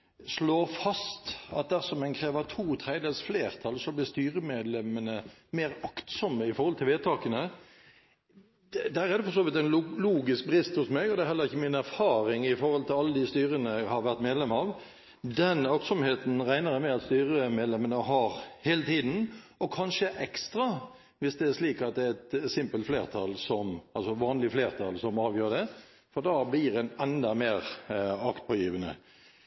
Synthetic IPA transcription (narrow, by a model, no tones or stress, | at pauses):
sloːɾfɑst̪ɑt̪̚d̪æʁsɔmɛɪnkʰɾeːʋət̪ʰuːt̪ʰɾeɪd̪eːlsfleːʁt̪ʰɑlsɔblɪst̪yːɾəmeːd̪lɛmənəmeːɾɑkt̪sɔmːəɪfɔɾhɔlt̪ʰɪlʋeːt̪ʰɑːkənə | d̪d̪æːɾæʁd̪ɛfɔʂ̬oːʋɪt̪ɛnlluːɡɪsk̚bɾɪst̪hʊsmɛɡɔd̪ɛæɦɛlːəɾɪçːəmɪnæɾfɑːɾɪŋɪfɔɾʁhɔlt̪ʰɪlɑlːəd̪ɪst̪yːɾənəhɑɾʋæʁt̪meːd̪lɛmɑʋ | d̪ɛnɑksɔmheːt̪n̩ʁæɪnəɾəmɛɑt̪st̪yːɾəmeːd̪lɛmənəɦɑɾheːlət̪ʰiːd̪n̩ | ɔkʰɑnʂəʔɛkst̪ɾɑ | ʋɪsd̪ɛæɾʂliːkɑt̪̚d̪ɛæt̪sɪmpəlt̪fleːʁt̪ʰɑ̰lsɔmɑlsɔʋɑːnlɪfleːʁt̪ʰɑlsɔmɑːʋjøːɖ̪ɛ | fɔʁd̪ɑblɪɾɛnɛnd̪ɑmeːɾɑkt̪̚pʰoːjiːʋənə̰